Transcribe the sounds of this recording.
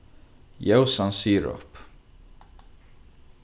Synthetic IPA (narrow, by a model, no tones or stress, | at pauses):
jɛwsãnsiːɹɔ̰p